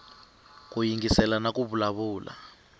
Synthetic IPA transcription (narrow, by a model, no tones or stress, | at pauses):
k̬ujiŋɡisɛlanakuβulaβuːla̰